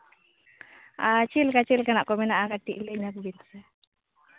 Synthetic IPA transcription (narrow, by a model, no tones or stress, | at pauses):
at͡ʃilkat͡ʃilkanaʔkɔmɛnaʔakaʈːiʔliɲak̚binsɛ